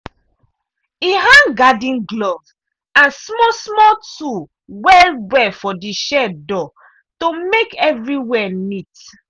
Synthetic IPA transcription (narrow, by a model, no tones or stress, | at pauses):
iɦãŋɡadĩnɡlɔv | ãnsmɔsmɔtu | wɛlbɛfɔdiʃɛdɔ | tomekɛvɹiwɛnit